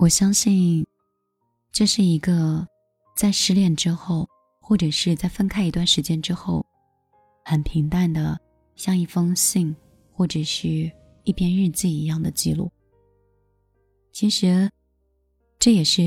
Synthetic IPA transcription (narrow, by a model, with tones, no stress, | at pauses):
wɔ˨˩ɕjɑ˥ŋɕi˥˧n | ʈ͡ʂɤ˥˧ʂɻ̩˥˩i˧˥ɡə˧ | t͡sa˥˧ɪʂɻ̩˥˧ljɛ˥˩nʈ͡ʂɻ̩˥xo˥˩ʊ | xwɔ˥˩ʈ͡ʂɤ˨˩ʂɻ̩˥˧t͡sa˥˩ɪfə˥nkʰa˥ɪi˧˥t̪wa˥˩nʂɻ̩˧˥t͡ɕjɛ˥nʈ͡ʂɻ̩˥xo˥˩ʊ | xə˨˩npʰi˧˥ŋt̪a˥˩nd̪ə˩ | ɕjɑ˥˧ŋi˥˩fɤ˥ŋɕi˥˧ŋ | xwɔ˥˩ʈ͡ʂɤ˨˩ʂɻ̩˥˧ | i˥˩pʰjɛ˥nɻɻ̩˥˧t͡ɕ̩˥˩i˧˥jɑ˥˩ŋd̪ə˩t͡ɕi˥˧lṵ˥˩ | t͡ɕʰi˧˥ʂɻ̩˧˥ | ʈ͡ʂɤ˥˩jɛ˨˩ʂɻ̩˥˩